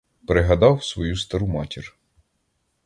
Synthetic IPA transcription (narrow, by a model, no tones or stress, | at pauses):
pɾɪɦɐd̪ɑwsʋɔjust̪ɐɾumɑtʲir